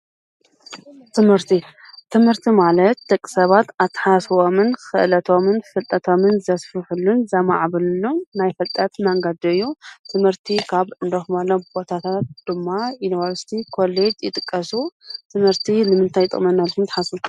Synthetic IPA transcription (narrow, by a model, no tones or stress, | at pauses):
t̪ʰɨmhɨɾt̪ʰiːɨmhɨɾt̪ʰimalɐt̪̚d̪ɐkʼːi̥sɐβat̪at̪ʰːḁħasβomɨnxɨʔlɐt̪ʰo̞mɨnfɨlt̪ʼɐt̪ʰo̞mɨnzɐsfɨħulːunzɐma̰ʕaβɨlɨlːonajfɐlt̪ʼɐt̪naŋɡad̪oɨjːut̪ʰɨmhɨɾt̪ʰikʰaβɨnd̪oxmalɐbo̞t̪ʰat̪ʰat̪̚d̪̥ɨmːailwaɾst̪ʰikʰo̞led͡ʒjɪt̪ʼɨkʼːɐsut̪ʰɨmhɨɾt̪ʰinɨmɨnt̪ʰajt̪ʼɨ̰χʼmɐnːalʰɨnt̪ħasu